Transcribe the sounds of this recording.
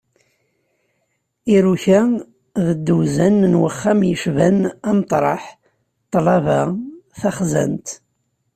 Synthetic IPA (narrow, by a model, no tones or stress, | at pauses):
iɾuçæ | ðəd̪ːuzænnwəχːæmjəʃvænæmt̪ˤɾˤɑ̰ħ | t̪ˤːlɑvæθæχzə̰nt̪